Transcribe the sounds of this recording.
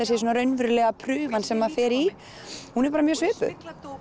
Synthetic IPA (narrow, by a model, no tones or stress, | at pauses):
ɛsːɪsɔːnaɾœɥnvʏɾlɛːɣapʰɾʏːvansɛmːḁfɛːɾi | hunɛɾpaːɾamjœːsvɛːpʏ̰